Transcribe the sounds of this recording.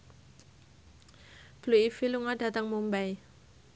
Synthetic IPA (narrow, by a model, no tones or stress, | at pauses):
b̥luifiluŋaɖa̤t̪əŋmumbaj